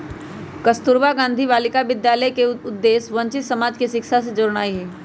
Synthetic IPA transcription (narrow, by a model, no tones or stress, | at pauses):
kəst̪ʊɾʋaɡãːnd̪ʱiʋaːlɪkaʋɪd̪jaːləjkeʊd̪ːeːsʋɐ̃ɲt͡ʃɪt̪sɐmaːd͡ʒkiʃɪkʃas̬ed͡ʒoːɾɽ̃aːiɦɛː